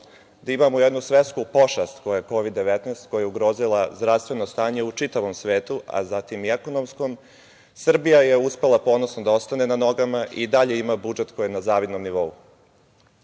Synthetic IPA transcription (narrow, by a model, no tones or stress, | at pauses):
d̪aimamojed̪nusʋet̪skupo̞ʃast̪ko̞jajeko̞ʋid̪ːe̞ʋet̪nest̪̚ko̞jajeuɡɾo̞ːzilˠazd̪ɾast̪ʋe̞nost̪aːɲe̞ut͡ʂit̪aʋomsʋeːt̪uʔa̰zat̪imieko̞nomsko̞m | sr̩bijajeuspe̞lapo̞ːnosnod̪ao̞st̪ane̞nano̞ɡamaʔid̪aʎe̞imabud͡ʒe̞t̪kojinazaːʋid̪nomniʋo̞ṵ